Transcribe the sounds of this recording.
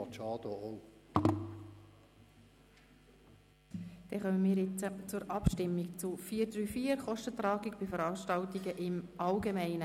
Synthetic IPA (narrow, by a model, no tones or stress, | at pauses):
ɑt͡ʃɑːd̪oo | d̥ɛχœməmiːɾjɪt͡sət͡sʊɾɑpʃtɪmːikt͡sʊfiːəɾd̪ɾyːfiːəɾχɔʃtət̪ɾɑːɡiɡbɪfəɾɑːʃtɑltiɡəʔɪmʔɑlɡemæɪnə